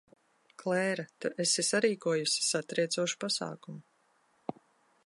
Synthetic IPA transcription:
klˠɛːɾat̪uʔesisaɾiːkuɔjusi̥sat̪ɾɛjt̪suɔʃu̥pasa̰ːkumu

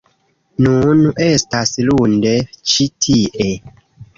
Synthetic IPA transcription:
nunestaslundet͡ʃitʰiʔe

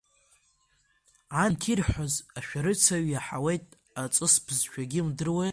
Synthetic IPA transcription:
ʕantʰirħʷozaʃᶣaɾɨt͡sʰaɥjaħawejtʼ | at͡sʼɨspʰzʃᶣaɡʲɪmdɨrwe

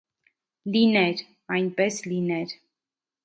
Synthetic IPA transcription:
linɛɾ | ɑjnpɛslinɛɾ

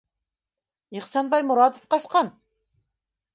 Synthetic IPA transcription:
iχsɑnbɑjmuɾɑt̪ofqɑʃqɑn

